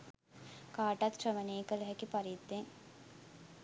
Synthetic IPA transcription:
kaːʈat̪ʂəʋəneːkələɦɛkipaɾid̪ːeŋ

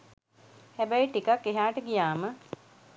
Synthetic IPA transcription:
hæbɛjiʈikakːeɦaːʈəɡijaːmə

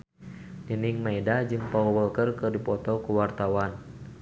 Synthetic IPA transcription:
niniŋmaɛdad͡ʒɨŋpauwəlkərkɨrdipɔt̪ɔkuwart̪awan

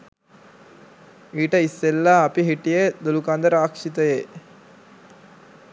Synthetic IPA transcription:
iːʈɐisːelːaɐpiɦiʈːijed̪olukaːnd̪ɐɾaːkʂit̪ɐjeː

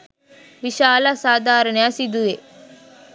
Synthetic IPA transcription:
ʋiʃaːlasaːd̪ʱaːɾɐnejasid̪uʋe

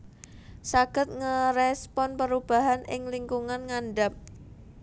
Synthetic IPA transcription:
saɡ̥ə̤t̪̚ŋəɾɛspɔnpəɾub̥a̤ɦanɪŋliŋkuŋanŋanɖap̚

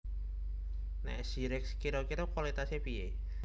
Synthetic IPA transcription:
nɛ̰ʔsiɾɪkskiɾokiɾokwalit̪asepie

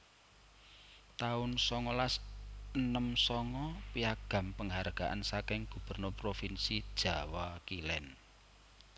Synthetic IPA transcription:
t̪aʊnsɔŋɔlasənəmsɔŋɔpiaɡ̥ä̤mpəŋɦarɡ̥aʔa̰nsakɪŋɡ̥ṳb̥ə̤rnʊrpɾofinsid̥ʒ̥a̤wakilɛn

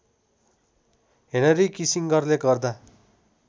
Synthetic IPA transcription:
ɦenʌɾikisiŋɡʌrleɡʌrd̪a

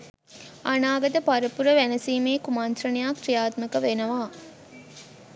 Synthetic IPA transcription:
ɐnaːɡɐt̪əpaɾɐpuɾəʋænɐsiːmeːkumant̪rɐnijaːkɾijaːt̪mɐkəʋenɐʋaː

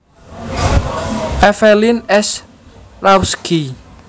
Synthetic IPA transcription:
ʔafɛlinɛs | lawskʰi

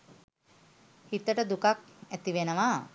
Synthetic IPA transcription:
hit̪əʈəd̪ukakæt̪iʋenəʋa

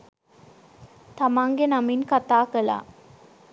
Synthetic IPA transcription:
t̪amaŋɡenaminkat̪aːkəla̰

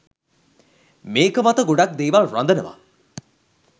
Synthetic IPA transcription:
meːkəmat̪əɡoɖak̚d̪eːʋaɾand̪ənəʋa̰

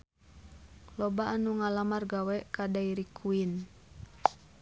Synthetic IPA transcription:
lɔbaʔːnuŋalamarɡawɛkadaiɾikʰuin

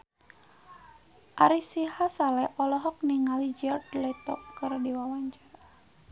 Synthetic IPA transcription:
ʔaɾisihasalɛʔɔlɔɦɔk̚niŋalid͡ʒɔrdlɛt̪ɔkkːɨrdiwawaɲt͡ʃar

